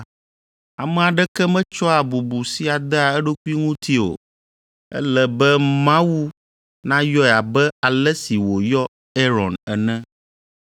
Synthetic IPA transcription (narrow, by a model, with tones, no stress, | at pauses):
a˨mɛ̃˨a˨ɖɛ˦kɛ˦mɛ̃˦t͡ʃɔ˦a˨bu˨bu˨si˦a˨d̪ɛ˦a˨ɛ˦ɖo˦ku˦i˦ŋũ˦t̪i˦o̰˨ | ɛ̰˦lɛ˨bɛ˦mã˦wu˦ | nã˦jɔ˦ɛ˨a˨bɛ˦a˨lɛ˦si˨wo˨jɔ˦ | e˦ɾɔ˨nɛ˨nɛ̃˦